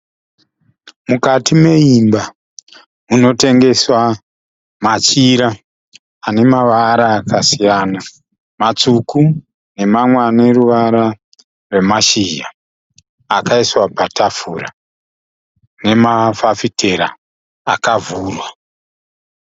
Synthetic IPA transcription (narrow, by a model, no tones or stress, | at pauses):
mukatimwe̞imba | uno̞te̞ŋɡe̞swa | mat͡ʃiɾa | ane̞maʋaɾaːkasijana | mat͡suku | ne̞mamweane̞ruʋaɾa | rwe̞maʃiʒaː | kaiswapatʰafuːra̰ | ne̞mafafitʰe̞ɾa̰ː | kavuːrwa